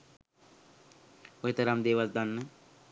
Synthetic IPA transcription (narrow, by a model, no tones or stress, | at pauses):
oɦet̪əɾamd̪eːʋald̪anːə